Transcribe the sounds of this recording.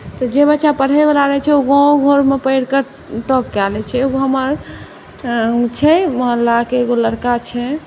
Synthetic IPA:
t̪ɔd͡ʒebətːt͡ʃapəɽ̤ɛbelaɾəɦt͡ʃʰɛoɡɔ̃ɡʱoɾmepəɪɽkə | ʈɔp̚kɛlɛt͡ʃʰɛeɡoɦəməɾ | t͡ʃʰɛməɦəlːakeɡoləɽkat͡ʃʰɛ

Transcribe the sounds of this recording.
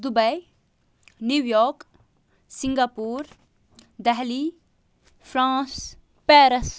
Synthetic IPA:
d̪ubɐj | njuʋjɔːk | sĩŋɡaːpuːɾ | d̪ɛɦliː | fʰɾãːs | pɛːɾəs

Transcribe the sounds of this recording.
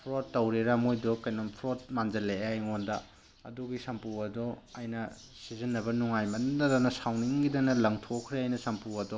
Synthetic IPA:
pʰɾotːɐwɾeɾamojdɔkɐjnompʰɾot̚mand͡ʒɐleajŋondɐ | ɐ̰duɡisɐmpuɐdɔɐjnɐ | sizinːɐbɐnuŋajmɐndɐdɐnɐsawniŋɡidɐnɐlɐŋtʰokʰɾeajnɐsɐmpuɐdɔ

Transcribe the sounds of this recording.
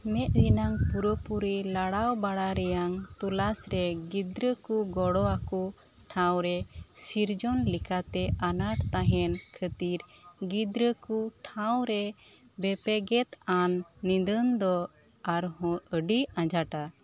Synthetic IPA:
mɛʔ̪̚ɾinaŋpuɾəpuɾilaɽawbaɽaɾɛjaŋt̪ulasɾɛɡid̪ɾəkuɡɔɽɔaku | ʈʰãwɾɛsiɾd͡ʒɔnlikat̪ɛʔanaʈt̪aɦɛnkʰət̪iɾ | ɡid̪ɾəkuʈʰawɾɛ | bɛpɛɡɛt̪anːid̪ənd̪ɔ | aɾɦɔ̃əɖiãd͡ʒaʈa

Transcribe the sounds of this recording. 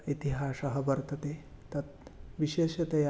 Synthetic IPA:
it̪iɦaːsɐɦɐʋɐɾt̪ɐt̪eːt̪ɐt̪̚ʋiʃeːʃɐt̪ɐja

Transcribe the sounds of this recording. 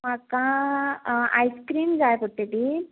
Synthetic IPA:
makã | a̰jskɾiːmd͡zajpuʈ̪ːeʈi

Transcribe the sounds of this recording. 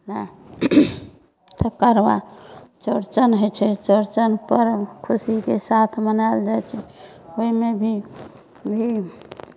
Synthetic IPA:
na | t̪əkəɾba̰t͡ʃəɾt͡ʃənɦojt͡ʃʰɛt͡ʃəɾt͡ʃənpəɾkʰusikesat̪ʰmənald͡ʒajt͡ʃʰɛ | oimebʱi | bʱi

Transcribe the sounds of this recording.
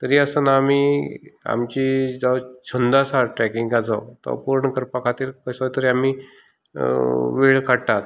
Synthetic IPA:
t̪əɾiːəsənaamia̰mt͡ɕid͡zawt͡ɕʰənd̪asaɾʈɾɛkĩŋɡad͡zawt̪ɔ̰puɾɳəkəɾpakʰat̪iːɾkəsat̪əɾiami | ʋeɭkaɽʈ̪at̪

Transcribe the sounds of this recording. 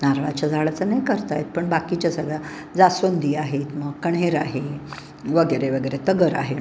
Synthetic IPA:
naɾʋat͡ɕad͡zʱaɭat͡sənajkəɾt̪ajet̪̚pəɳbakit͡ɕasəɡɭa | d͡zasənd̪ʱiːaɦet̪məɡkəɳeɾaɦe | ʋəɡəjɾeʋəɡəjɾet̪əɡəɾa̰ɦe

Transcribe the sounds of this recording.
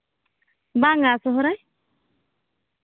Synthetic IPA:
baːŋasɔɦʊɾaj

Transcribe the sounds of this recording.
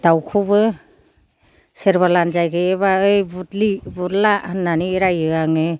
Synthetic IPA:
d̥awkʰubɯ | seɾβalanzajɡɯeβaɯjbutlibutlaanːaniɾajɯaŋɯ

